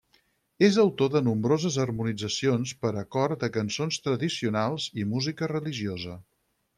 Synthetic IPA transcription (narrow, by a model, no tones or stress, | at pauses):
ezəwt̪oðənumbɾozəzərmunid͡zəsionspəɾəkɔrd̪əkənsonst̪ɾəðisiunalˠzimuzikərəliʒiozə